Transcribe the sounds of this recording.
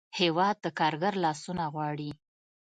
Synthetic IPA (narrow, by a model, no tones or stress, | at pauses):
hewɑd̪̚ːəkɑɾɡaɾlɑsunaɣwɑɽi